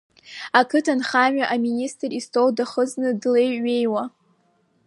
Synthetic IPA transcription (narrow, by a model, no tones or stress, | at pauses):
akʰɨtʰanχaɥᶣaʔaministʼristʰowdaχəznɨdleje̞jwa